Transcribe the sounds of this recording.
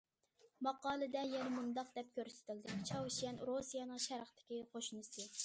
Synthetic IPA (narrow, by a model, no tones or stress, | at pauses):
mɑqɑːlˠɨd̪ɛjɛnɪmund̪ɑqd̪ɛp̚kʲʰøɾsɪ̥t̪ʰɪld̪ɪt͡ʃʰɑwʃijɛnɾosijɑnɨŋʃɛɾəχt̪ʰɪ̥kʲiqʰoʃnɨsɨ